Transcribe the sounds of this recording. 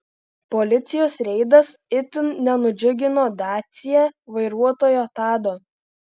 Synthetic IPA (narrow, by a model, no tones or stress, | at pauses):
pɔlʲɪt̪sʲɪjoːsɾʲɛɪd̪ɐsɪt̪ʲɪnnʲɛnʊd͡ʒʲʊɡʲɪnoːd̪ɑːt̪sʲɪjɛʋɐɪɾuɔt̪oːjoːt̪ɑːd̪oː